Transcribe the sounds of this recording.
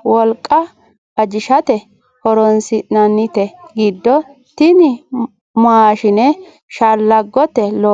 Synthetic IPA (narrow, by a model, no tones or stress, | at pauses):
wɔlkʼːɐ | ɐd͡ʒɪʃɐt̪ɛ | hɔɾɔnsɪnɐnːɪt̪ɛɡid̪ːɔ | t̪ɪnɪ | maːʃɪnɛ | ʃalːɐɡːɔt̪ɛlo